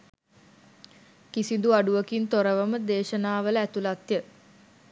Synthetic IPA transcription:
kisind̪uaɖuʋəkint̪oɾəʋəməd̪eːʃənaːʋələæt̪ulat̪jə

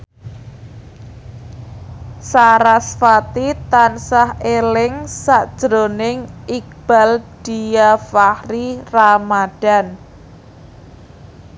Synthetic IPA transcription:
saɾasfat̪it̪ansahelɪŋsaʔd̥ʒ̥ɾonɪŋik̚b̥a̤ld̥ijafahriramad̥a̤n

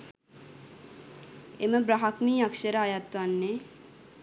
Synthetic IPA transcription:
eməbɾaɦakmiːakʃəɾəajat̪ʋanːe

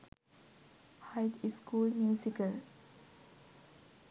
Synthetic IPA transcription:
haɪdiskʰuːlmjusikəl

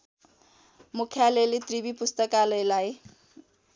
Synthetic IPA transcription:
mukʰjalelit̪ribipust̪ʌkalʌjlaj

